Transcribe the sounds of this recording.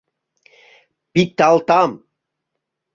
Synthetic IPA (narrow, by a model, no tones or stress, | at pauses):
pit̪̚t̪alt̪am